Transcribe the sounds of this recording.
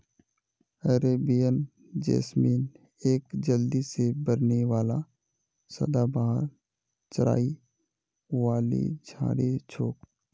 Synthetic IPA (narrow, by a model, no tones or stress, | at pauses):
əɾeːbijən | d͡ʒḛːsmiːn | eːkd͡ʒəld̪isebəɾnewaːla | sə̰d̪abaːɦəɾ | t͡ʃəɾa̰ːi | waːlḭd͡ʒʱã̰ːɽet͡ʃʰoːk̚